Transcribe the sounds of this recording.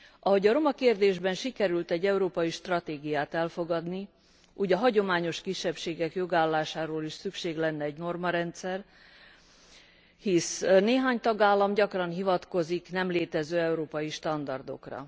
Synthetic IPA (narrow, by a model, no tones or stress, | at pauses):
ʔɒɦo̞ɟɒɾo̞mɒkeːrd̪eːʒbɛnʃikɛɾylt̪ɛɟːɛuɾoːpɒjiʃt̪rɒt̪eːɡijaːt̪ɛlfo̞ɡɒd̪ni | ʔuːɟɒɦɒɟo̞maːɲo̞ʃkiʃːɛpʃeːɡɛkjo̞ɡaːlːaːʃaːɾoːliʃsykʃeːɡlɛnːɛːɟno̞rmɒɾɛnt̪sɛr | hisneːɦaːɲt̪ɒɡaːlːɒmɟɒkrɒnɦivɒt̪ko̞ziknɛmleːt̪ɛzøːɛuɾoːpɒjiʃt̪ɒnd̪ɒrd̪o̞̰krɒ̰